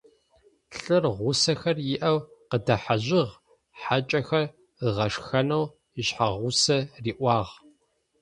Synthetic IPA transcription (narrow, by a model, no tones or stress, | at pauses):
ɬʼɨrʁʷʊsɐxɐrjɪʔɐwqədɐħaʑɪʁ | ħat͡ʃʼɐxɐr | əʁɐʂxɐnɐw | iɕħaʁʷʊsɐriːʔʷɑːʁ